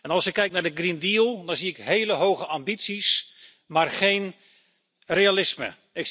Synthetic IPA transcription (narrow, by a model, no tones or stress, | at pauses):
ɛnɑlˠsɪkːɛjk̚nadəɡrindiəlˠdɔnziɪkɦejləɦowɣəʔambitsis | marχejn | realɪsmə̰ | ɪk